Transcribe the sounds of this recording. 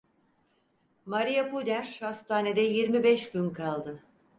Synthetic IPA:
maɾijapud̪æɾhast̪ʰaːne̞d̪ɛjiɾmibɛʃɟynkʰalˠd̪ɯ

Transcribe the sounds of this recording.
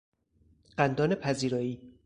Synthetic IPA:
ɢ̥ænd̪ɒːne̞pʰæziːɾɒːiː

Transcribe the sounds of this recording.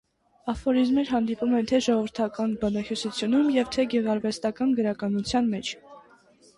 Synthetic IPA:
ɑfɔɾizmɛɾɦɑnd̪ipumɛnt̪ʰɛʒɔʁɔvəɾt̪ʰɑkɑnbɑnɑhjusut͡sʰjunumjɛvt̪ʰɛɡɛʁɑɾvɛst̪ɑkɑnɡəɾɑkɑnut͡sʰjɑnmɛt͡ʃʰ

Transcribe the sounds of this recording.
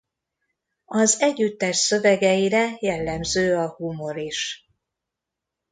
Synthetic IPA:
ɒzɛɟːyt̪ːɛʃsø̞vɛɡɛjiɾɛjɛlːɛmzøːɒhumo̞ɾiʃ

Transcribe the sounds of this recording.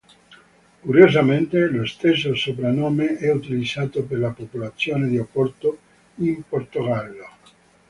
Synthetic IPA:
kuɾjozament̪elost̪esːosopɾanoːmeɛut̪ilid̪zaːt̪operlapopolat̪sːjoːned̪iopːɔrt̪o | import̪oɡalːo

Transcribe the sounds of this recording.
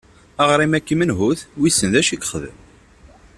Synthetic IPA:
aʁɾˤimækːimənɦuθwisːənðæʃiɡχəðə̰m

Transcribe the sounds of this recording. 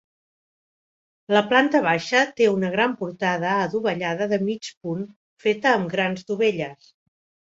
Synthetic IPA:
ləplant̪əβ̞aʃət̪eunəɣ̞ɾampuɾt̪að̞əːðuβəʎaðəðəmit͡ʃpun | fet̪əːmɡɾanzd̪uβeʎəs

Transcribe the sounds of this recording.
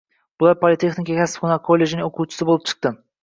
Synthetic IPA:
b̥ʊlˠaɾpʰolʲɪt̪ʰeχnikʲakʲasɪ̥fqʊnakʰolʲːe̞ʒɪnɪŋoqʰuwt͡ʃʰɪ̥sɪbolˠɪp̚t͡ʃʰɨ̥q̚t̪ɪ

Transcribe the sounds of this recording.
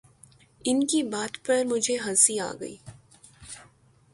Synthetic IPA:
ɪnkibaːt̪pɐɾmʊd͡ʒʱeɦɐsia̰ːɡɐ̰ḭː

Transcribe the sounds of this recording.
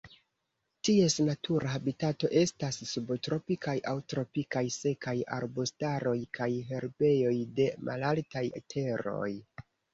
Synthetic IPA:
tie̞snatʰuɾaabitato̞ʔe̞stassubotɾo̞pikajʔawtɾo̞pikajse̞kaja̰ɾbostaɾo̞jkʰajɦe̞ɾbe̞jo̞jde̞mʔa̰laltajḛtʰe̞ɾo̞̰j

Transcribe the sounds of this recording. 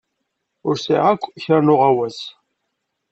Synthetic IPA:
ʊɾsḭʁækʷːçəɾnʊʁæwæs

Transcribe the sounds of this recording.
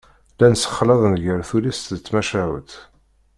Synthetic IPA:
lænsə̥χːlɑðˤnʝəɾθulist̪ðət͡sːmæʃæʕə̰t̪

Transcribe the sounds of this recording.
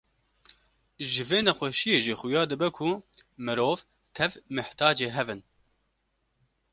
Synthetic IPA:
ʒɨveːnɛxʷɛʃijeːʒixʊjɑːd̪ɨbɛkʰumɨɾoːv | t̪ʰɛvmɨht̪ɑːd͡ʒeːɦɛvɨn

